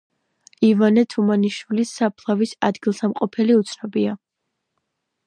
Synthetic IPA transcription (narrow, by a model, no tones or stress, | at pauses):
ivanɛt̪ʰumaniʃwilisːapʰlˠavisa̰d̪ɡilˠsamqʼɔpʰɛliut̪sʰnɔbia